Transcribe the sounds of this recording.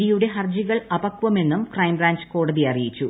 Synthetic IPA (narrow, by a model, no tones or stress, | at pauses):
ɾijuɽe̞ɦɐrd͡ʑiɣɐɭɐbɐkʋɐme̞nːumkrɐjmbraːnd͡ʑɨ̥ko̞ːɽɐðiɐrijit͡ɕːu